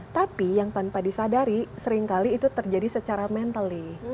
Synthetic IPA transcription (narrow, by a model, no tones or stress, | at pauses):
t̪apijaŋt̪anpadisadaɾisəɾɪŋkaliːt̪ut̪ərd͡ʒadisət͡ʃaɾamɛnt̪alɪ